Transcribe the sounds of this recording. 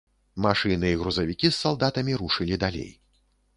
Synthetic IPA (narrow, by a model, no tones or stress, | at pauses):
maʂɨnɨiɣɾuzɐvʲikʲisːalˠd̪at̪ɐmʲiɾuʂɨlʲid̪alʲḛj